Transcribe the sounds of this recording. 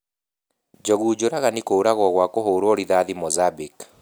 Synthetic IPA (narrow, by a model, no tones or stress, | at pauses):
d͡ʒɔɣuːd͡ʒoɾaɣanikouɾaɣwɔɣwakoɦoːɾoːɾiðaðimɔzabik